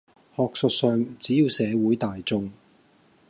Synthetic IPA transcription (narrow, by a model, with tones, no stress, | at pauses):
hɔː˨k̚sɵ˨t̚sœː˨˧ŋt͡siː˨˥jiː˧wsɛː˨˧wuː˨˥jt̪aː˨jt͡sʊ˧ŋ